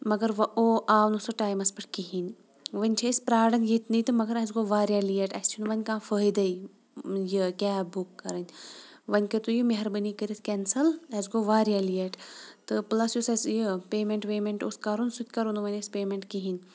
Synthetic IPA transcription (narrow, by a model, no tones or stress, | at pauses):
mɐɡɐɾʋɐoːʔaːnusɐʈaːjmɐspɐʈʰkiɦin | ʋɐnʲt͡ʃʰɐispɾaːɽɐnjet̪nit̪ɨmɐɡɐɾɐzɡoːʋaːɾjaːlieʈɐ̰st͡ʃʰunʋɐnʲkãːfəːjd̪ɐj | jɨkʲaːbukːɐɾɐnʲʋɐnʲkɐt̪ujimeɦɐɾbənikəɾit̪ʰkʲɛnsɐlɐzɡoːʋaːɾijalijeʈt̪ɨplɐsjusɐsjəpeːmeɳʈʋeːmeɳʈuskɐɾunsut̪̚ʰʲkɐɾunuʋɐnʲɐspeːmeɳʈkiɦin